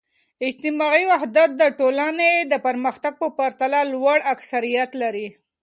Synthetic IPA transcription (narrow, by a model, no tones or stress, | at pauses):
ɪd͡ʒt̪ɪmɑiwaɦd̪at̪̚d̪əʈolaned̪əpəɾməxt̪aɡ̚pəpaɾt̪alalwaɽaksaɾijat̪laɾi